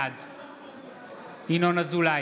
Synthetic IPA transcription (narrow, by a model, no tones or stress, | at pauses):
ad̪ | inonəzula